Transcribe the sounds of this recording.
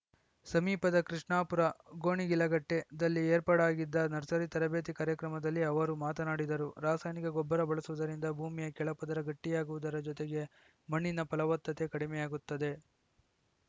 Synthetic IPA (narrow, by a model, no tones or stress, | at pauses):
sɐmiːpɐd̪ɐkɾiʂɳaːpuɾɐɡo̞ːɳiɡilɐɡɐʈːe̞d̪ɐlːieːɾpaːɽaːɡid̪ːɐnɐɾsɐɾit̪ɐɾɐbeːt̪ikaːɾjɐkɾɐmɐd̪ɐlːiɐʋɐɾumaːt̪ɐnaːɽid̪ɐɾuɾaːsaːjnikɐɡɔbːɐɾɐbɐɭɐsuʋud̪ɐɾind̪ɐbʱuːmijɐkɛɭɐpɐd̪ɐɾɐɡɐʈːijaːɡuʋud̪ɐɾɐd͡ʒɔt̪eɡe̞ | mɐɳːinɐpɐlɐʋɐt̪ːɐt̪e̞kɐɽimɛjaːɡut̪ːɐd̪e̞